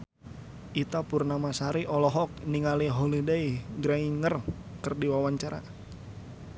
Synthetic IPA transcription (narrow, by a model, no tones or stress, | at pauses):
ʔit̪apurnamasaɾiʔɔlɔɦɔk̚niŋaliɦolidejɡɾaŋiŋər | kərdiwawaɲt͡ʃaɾa̰